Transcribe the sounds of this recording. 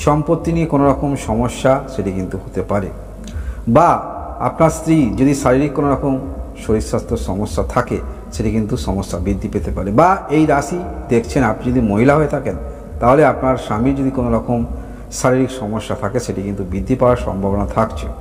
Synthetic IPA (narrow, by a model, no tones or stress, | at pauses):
ʃɔmpot̪ːiniekonoɾɔkomʃɔmoʃːaʃeʈikint̪uhot̪epaɾe | ba | a̰pnaɾst̪ɾid͡ʑod̪iʃaɾiɾikːonoɾɔkomʃoɾisːast̪ʰoɾʃɔmoʃːat̪ʰake | ʃeʈikint̪uʃɔmoʃːabid̪ʱːipet̪epaɾebaejɾaʃid̪ekʰt͡ɕʰenapnid͡ʑod̪imoɦilaɦoet̪ʰaken | t̪aɦoleapnaɾʃamiɾd͡ʑod̪ikonoɾɔkom | ʃaɾiɾikʃɔmoʃːat̪ʰakeʃeʈikint̪ubid̪ʱːipawaɾʃɔ̰mbʱabonat̪ʰakt͡ɕʰḛ